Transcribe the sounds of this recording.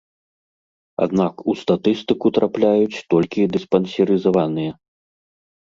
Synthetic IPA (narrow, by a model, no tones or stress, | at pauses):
a̰d̪nakust̪at̪ɨst̪ɨkut̪ɾaplʲajut͡sʲt̪ɔlʲkʲid̪ɨspɐnsʲɐɾɨzavanɨjɐ